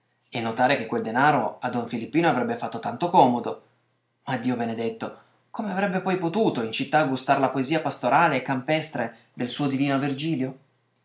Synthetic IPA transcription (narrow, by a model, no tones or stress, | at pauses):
enːot̪aːɾek̟ekːweld̪enaːɾoad̪ɔɱfilipːiːnoavɾɛbːefat̪ːot̪ant̪okɔːmod̪o | mad̪ːiːobened̪et̪ːo | komeavɾɛbːepɔjpot̪uːt̪oint͡ʃit̪ːaɡust̪aːɾelapoeziːapast̪oɾʔaːleːkːampɛst̪ɾe | d̪elsuːod̪iviːnoavird͡ʒiːljo